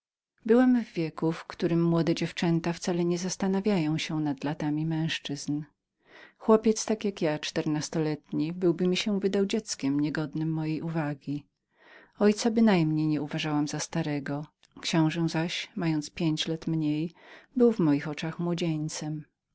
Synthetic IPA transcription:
bɘwɛmvːʲjɛkufkt̪uɾɘmːwɔd̪ɛd͡ʑɛft͡ʂɛnt̪aft̪salɛɲɛzast̪anavʲjajɔ̃w̃ɕɛnad̪lat̪amʲimɛ̃w̃ʂt͡ʂɘzn | xwɔpʲjɛt̪st̪akjakjat͡ʂt̪ɛɾnast̪ɔlɛt̪ɲibɘwbɘmʲiɕɛvɘd̪awd͡ʑɛt̪skʲɛmɲɛɡɔd̪nɘmːɔjejuvaɡʲi | ɔjt̪sabɘnajmɲejɲɛuvaʐawamzast̪aɾɛɡɔ | kɕɔ̃w̃ʐɛw̃zaɕmajɔnt̪spʲjeɲt͡ɕlat̪mɲejbɘwvmɔjixɔt͡ʂaxmwɔd͡ʑeɲt̪sɛm

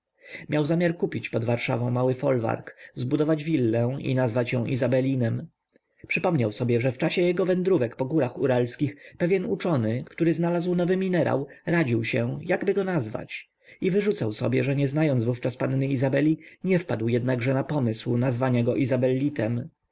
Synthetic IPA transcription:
mʲjawzamʲaɾkupʲit͡ɕpɔd̪vaɾʂa̰vɔ̃w̃mawɘfɔlva̰ɾkzbud̪ɔvad͡ʑvʲilːɛ̃ḭnazvat͡ɕjɔ̃ʔḭzabɛlʲinɛm | pʂɘpɔmɲawsɔbʲjɛʐɛft͡ʂaɕɛjɛɡɔvɛnd̪ɾuvɛkpɔɡuɾaxuɾalskʲixpɛvʲjɛnut͡ʂɔnɘkt̪uɾɘznalazwnɔvɘmʲinɛɾʔa̰wɾad͡ʑiwɕɛjaɡbɘɡɔnazva̰t͡ɕ | ivɘʐut̪sawsɔ̰bʲjɛʐɛɲɛznajɔnzvuft͡ʂaspanːɘizabɛlʲiɲɛfpad̪wjɛd̪naɡʐɛnapɔmɘswnazvaɲaɡɔʔizabɛlʲːit̪ɛm

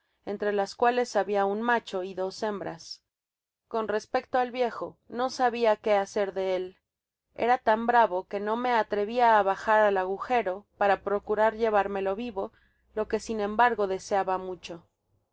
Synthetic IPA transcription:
ent̪ɾe̞laskwale̞saβiaunmat͡ʃo̞iðo̞se̞mbɾa̰s | ko̞nre̞spe̞k̚t̪oalβje̞xo̞no̞saβiake̞ase̞ɾðe̞e̞l | e̞̰ɾat̪ambɾaβo̞ke̞no̞me̞at̪ɾe̞βiaːβaxaɾalaɣ̞uxe̞ɾo̞paɾapɾo̞kuɾaɾʝe̞β̞aɾme̞lo̞βiβo̞ | lo̞ke̞sinẽ̞mbaɾɣo̞ðe̞seaβamut͡ʃo̞

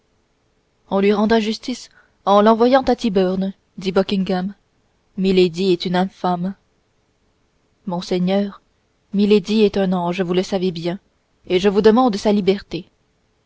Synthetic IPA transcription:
ɔ̃lɥiʁɑ̃d̪ʁaʒyst̪is | ɑ̃lɑ̃vwajɑ̃t̪at̪ibœʁn | d̪ibɔkʲĩŋɡamː | iled̪iɛt̪ynɛ̃fam | mɔ̃sɛɲœːʁ | miled̪iɛt̪ɛ̃nɑ̃ʒəvuləsavebjɛ̃ | eʒəvud̪əmɑ̃d̪salibɛʁt̪e

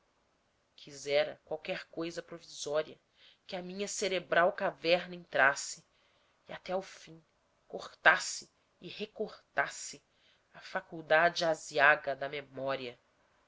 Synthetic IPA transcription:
kʰizɛɾɐkwawkɛɾkojzɐpɾovizɔɾiɐ | kɪɐmĩɲɐseɾebɾawkavɛɾnɐẽnt̪ɾasɪ | ɪat̪ɛawfĩ | koχt̪asɪ | ɪhekoχt̪asɪ | ɐfakuwd̪ad͡ʒɪaziaɡɐd̪ɐmemɔɾiɐ

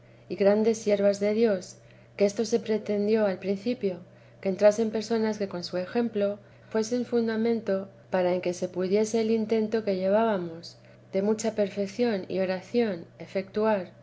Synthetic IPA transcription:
iɣɾand̪e̞sːje̞ɾβazðe̞ðjo̞s | keest̪o̞se̞pɾe̞t̪e̞nd̪jo̞alpɾin̟θipjo̞ | keːnt̪ɾase̞mpe̞ɾso̞naske̞ko̞nsue̞xe̞mplo̞ | fwe̞seuɱfund̪amẽ̞nt̪o̞ | paɾae̞ŋke̞se̞puðje̞se̞ːlint̪e̞nt̪o̞ke̞ʝe̞β̞aβamo̞s | ðe̞mut͡ʃape̞ɾfe̞kθjo̞nḭo̞ɾaθjo̞ne̞fe̞kt̪uaɾ

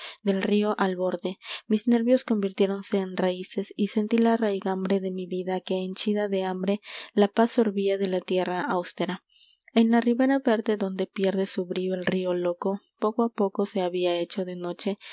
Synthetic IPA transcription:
ðe̞lrio̞ʔalβo̞ɾðe̞mizne̞ɾβjo̞sko̞mbiɾt̪je̞ɾo̞nse̞ːnraise̞sise̞nt̪ilarajɣambɾe̞ðe̞miβiðake̞ːnt͡ʃiðaðe̞ambɾe̞lapasːo̞ɾβiaðe̞lat̪je̞raʔawst̪eɾa | enlariβe̞ɾaβe̞ɾðe̞ðo̞nd̪e̞pje̞ɾðe̞suβɾioelrio̞lo̞ko̞po̞koapo̞ko̞se̞aβiae̞t͡ʃo̞ðe̞no̞t͡ʃe̞

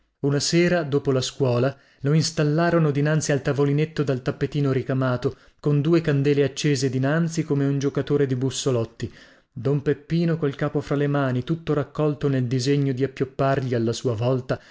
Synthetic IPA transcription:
unaseːɾad̪oːpolaskwɔːla | loinst̪alːaːɾonod̪inant̪sialt̪avolinet̪ːod̪alt̪apːet̪iːnoɾikamaːt̪o | kond̪uːekand̪ɛːleat͡ʃːeːzed̪inant̪sikomeund͡ʒokat̪oːɾed̪ibusːolɔt̪ːi | d̪ompepːiːnokolkaːpofɾalemaːnit̪ut̪ːoɾakːɔlt̪oneld̪izeɲːod̪iapːjopːarʎialːasuːavɔlt̪a

